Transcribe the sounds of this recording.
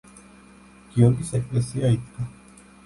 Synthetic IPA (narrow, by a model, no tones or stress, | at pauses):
ɡ̥ioɡisɛkʼlɛsiait̪ʰkʼa